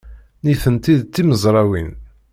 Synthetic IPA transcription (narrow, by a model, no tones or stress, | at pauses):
niθənt̪iðt̪ːiməzˤɾˤɑwin